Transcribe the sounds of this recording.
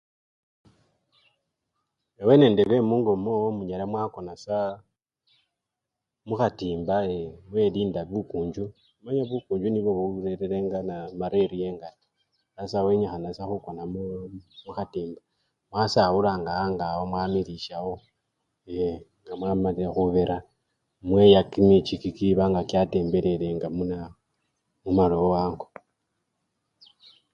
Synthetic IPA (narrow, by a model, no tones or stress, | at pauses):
ewene̞ːndeβemuŋɡomomuɲaɾemwaːko̞nasa | muxatiːmbaemweɾiːndaβukuːɲd͡ʒu | maɲaβukuːɲd͡ʒuniβoβuɾeɾeɾeŋɡanamaɾeɾijeŋɡato̥ | asaweɲaxanasaxukonammuxatiːmba | mwasawulaŋɡaaŋɡawomwaːmiliʃaho | eŋɡamwamalexuβeɾʔa | mwejakimit͡ʃikikiβaŋɡakjate̞ːmbe̞ɾe̞ɾeŋɡamuna | mumaloowaːŋɡu